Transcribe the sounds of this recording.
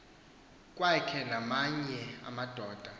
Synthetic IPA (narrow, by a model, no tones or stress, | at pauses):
kʼwakʰɛnamaɲɛa̰mad̥ʱɔːd̥ʱa